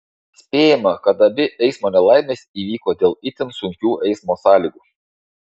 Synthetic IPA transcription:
sʲpʲeːjɪmɐkɐt̪ɐbʲɪʔɛɪsmoːnʲɛlˠɑˑɪmʲeːsʲiːʋʲiːkoːd̪ʲeːlˠɪt̪ʲɪnsʊŋʲkʲuːʔɛɪsmoːsɑːlʲiːɡuː

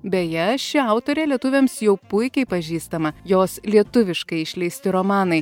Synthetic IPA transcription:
bʲejɛʃʲɪɐʊt̪oːɾʲeːlʲiɛt̪ʊʋʲemsjɛʊpʊɪkʲɛɪpɐʒʲiːst̪ɐmɐjoːslʲiɛt̪ʊʋʲɪʃkɐɪɪʃʲlʲɛɪsʲt̪ʲɪɾomɑːnɐɪ

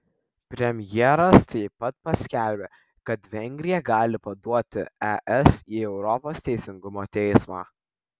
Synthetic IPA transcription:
pʲɾʲɛmʲjɛɾɐst̪ɐɪpɐt̪̚pɐsʲkʲæˑlʲbʲe | kɐt̪ʋʲɛŋʲɡʲɾʲɪjɛɡɑːlʲɪpɐd̪uɔt̪ʲɪɛʔɛsiːɛʊɾɔpoːst̪ʲɛɪsʲɪŋɡʊmoːt̪ʲɛɪsmɑ̰ː

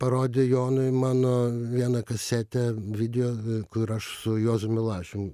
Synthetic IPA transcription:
pɐɾoːd̪ʲɪjoːnʊɪmɑːnoːʋʲiɛnɐkɐsʲæt̪ʲɛʋʲɪd̪ʲɪjoːkʊɾɐʃsʊjoːzʊmʲɪlˠɑːʃʲʊm

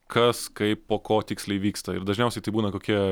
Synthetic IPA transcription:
kʰɐskɐɪppoːkoːt̪ʲɪksʲlʲɛɪʋʲiːkst̪ɐɪɾd̪ɐʒʲnʲɛʊsʲɛɪt̪ɐɪbuːnɐkoːkʲiɛ

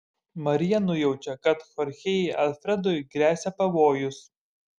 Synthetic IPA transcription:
mɐɾʲɪjɛnʊjɛʊt͡ʃʲɛkɐt̪xɔɾʲxʲɛjɛʔɐlʲfʲɾʲɛd̪ɔjɡɾʲæːsʲɛpɐʋoːjʊs

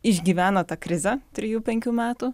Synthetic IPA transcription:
ɪʒʲɡʲiːʋʲæːnɐt̪ɑkɾʲɪzʲɛt̪ʲɾʲɪjuːpʲɛŋʲkʲuːmʲæːt̪uː

